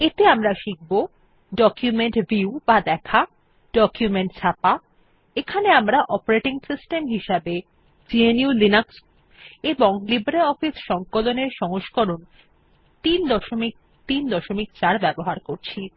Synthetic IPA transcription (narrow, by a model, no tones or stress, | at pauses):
et̪eamɾaʃik̚bo | ɖɔkjumeɳʈbʱiubad̪ɛkʰa | ɖɔkjumeɳʈt͡ɕʰapa | ekʰaneamɾaʔɔpoɾeʈiŋsisʈemɦiʃabe | d͡ʑieniulinaks | eboŋlibɾelɔfisʃɔŋkoloneɾʃɔŋoʃkoɾon | t̪ind̪ɔʃomik̚ | t̪ind̪ɔʃomik̚t͡ɕaɾbɛboɦaɾkoɾt͡ɕʰi